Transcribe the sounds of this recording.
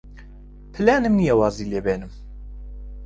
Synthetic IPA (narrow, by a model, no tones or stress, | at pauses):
pʰɨlæːnimnijɛwɑːziːleːbeːnɨm